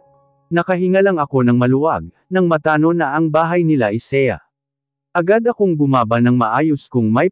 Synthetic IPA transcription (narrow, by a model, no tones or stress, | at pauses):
nɐkɐɦɪŋɐlɐŋɐko̞nɐŋmɐlʊwaɡ̚ | nɐŋmɐt̪aːno̞nɐʔɐŋbaːɦɐjnɪlaʔɛsɛjɐ̰ | ʔɐɡad̪ɐkoŋɡʊmaːbɐnɐŋmɐʔaːjoskʊŋmɐj